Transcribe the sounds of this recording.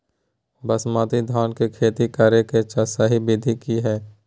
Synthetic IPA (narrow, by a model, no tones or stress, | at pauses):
bɐsmaːt̪id̪ʱaːnkekʰeːt̪ikaːɾeket͡ʃasaɦibɪd̪ʱikiɦɛː